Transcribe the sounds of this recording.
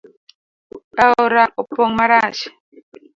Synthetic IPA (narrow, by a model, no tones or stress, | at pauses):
aoɾaʔupoŋmaɾaʃi̥